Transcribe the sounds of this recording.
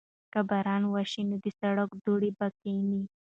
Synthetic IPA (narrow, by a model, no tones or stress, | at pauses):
kabaɾɑnwaʃinod̪isaɽakd̪oɽibakeni